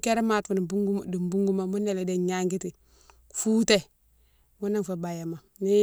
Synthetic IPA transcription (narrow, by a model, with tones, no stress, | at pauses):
ke˦ɾe˦ma˨tfu˨bu˦ɡu˦di˨mbu˦ŋɡu˦ma˨mu˦ne˨le˨de˨ɲa˦ŋɡi˦ti˨ | fuː˦te˦ | mu˦na˦nfo˨ba˨ja˨ma˨ni˦